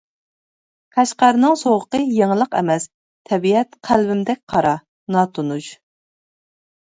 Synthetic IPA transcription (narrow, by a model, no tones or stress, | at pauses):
kʰæʃqæɾnɨŋsoʁəqəjeŋlˠəqɛ̰mɛs | t̪ʰɛbiɛt̪qʰælwɪmd̪ɛk̚ʲqʰɑɾɑ | nɑt̪ʰunuʃ